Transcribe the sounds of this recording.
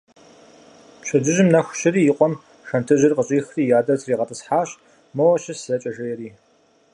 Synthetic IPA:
ɕʷʰɐd͡ʒɨʒɪmnɐxʷɕɪɾiːjɪqʷʼɔm | xɐntʰɨʑɪrqəɕʼiːxriːjaːdɐt͡sʰʼriːʁɐtʰʼɨsħaːɕ | mɐwɐɕɪszɐt͡ʃʼɐʒɐjɛɾiː

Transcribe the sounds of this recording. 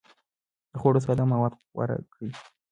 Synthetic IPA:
d̪̥əxoɽos̬ad̪amawɑd̪ | wa̰ɾa̰ki

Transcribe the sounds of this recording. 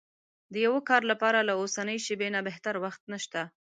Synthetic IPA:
d̪əjawəkɑɾlapɑɾalaosanəjʃəbenabeht̪aɾwaxt̪naʃt̪a

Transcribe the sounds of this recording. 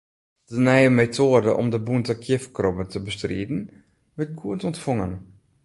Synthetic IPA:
d̥ənɛjəmetʰoədəʔɔ̰mdəbuntəkʰjɪfkrɔbətəbəstrḭːdn̩ | ʋɪrt̚ɡuətɔntfɔŋən

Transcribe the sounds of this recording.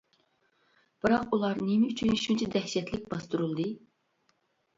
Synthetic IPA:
b̥ɨɾɑqulˠɑɾnemɪyt͡ʃʰyniʃunt͡ʃʰid̪ɛhʃɛt̪lɪk̚ʲbɑst̪uɾulˠd̪ɨ

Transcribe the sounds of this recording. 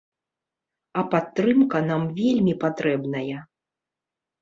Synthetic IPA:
ɐpat̪ːɾɨmkɐnamvʲelʲmʲipat̪ɾɛbnɐjɐ

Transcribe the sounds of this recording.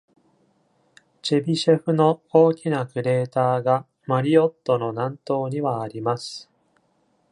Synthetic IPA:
t͡ɕebʲiɕeɸɯ̟no̞oːkʲinakɯ̟ɾe̞ːt̪aːɡa | maɾʲio̞t̪ːo̞no̞nãnt̪o̞ːɲ̟iβaːɾʲimasɨ̥

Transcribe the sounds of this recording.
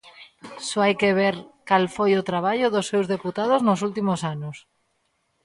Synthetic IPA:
soajkeβ̞eɾkalfojʊt̪ɾaβaʎoðosːewzðeput̪að̞oznos̬ult̪imosanos

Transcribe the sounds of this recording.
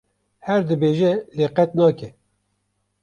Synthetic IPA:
hɛɾd̪ɨbeːʒɛleːqɛt̪nɑːkɛ

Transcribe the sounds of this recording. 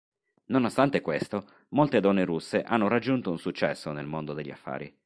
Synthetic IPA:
nonost̪ant̪ekwest̪o | molt̪ed̪ɔnːeɾusːeʔanːoɾad͡ʒːunt̪ounsut͡ʃːɛsːonelmond̪od̪eʎːia̰fːa̰ːɾḭ

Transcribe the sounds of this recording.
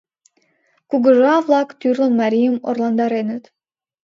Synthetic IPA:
kuɡəʒɑvlˠɑkt̪yrlˠə̆nmɑɾʲijəmo̰rlˠɑnd̪ɑɾenət̪

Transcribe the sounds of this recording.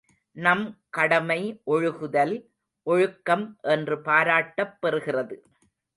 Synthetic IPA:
nɐmkɐɽɐmɐɪʔɔɻɯɣɯðɐl | ʔɔɻɯkːɐmʔɛndrɯpaːɾaːʈːɐpːɛrɯɣɪrɐðɯ

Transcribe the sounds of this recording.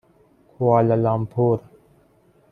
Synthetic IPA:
kʰʊaːləlaːmpʰoːɾ

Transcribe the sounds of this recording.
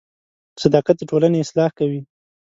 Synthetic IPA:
sad̪ɑqat̪̚d̪əʈolaneɪslɑhkawi

